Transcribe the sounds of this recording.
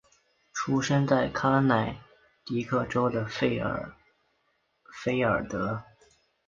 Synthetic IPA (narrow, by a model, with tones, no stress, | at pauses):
ʈ͡ʂʰu˥ʂə˥ŋt͡sa˥˩ɪkʰa˥na˨˩ɪ | t̪i˧˥kʰɤ˥˩ʈ͡ʂo˥ʊd̪ə̰˨˥ | fe˥ɪə˞˨˩t̪ɤ˧˥